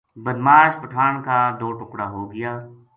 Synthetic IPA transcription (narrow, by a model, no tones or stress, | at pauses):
bɐd̪maːʃpɐʈʰaːnkaːd̪oːʈʊkɽaːɦoːɡɐjaː